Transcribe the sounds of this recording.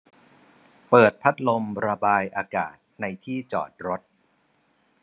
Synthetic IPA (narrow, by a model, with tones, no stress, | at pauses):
pɤː˨˩t̪̚pʰa˦˥t̪̚lo˧mɾa˧baː˧jʔaː˧ka̰ː˨˩t̪̚na˧jt̪ʰiː˥˩t͡ɕɔ̰ː˨˩t̪̚ɾo˦˥t̪̚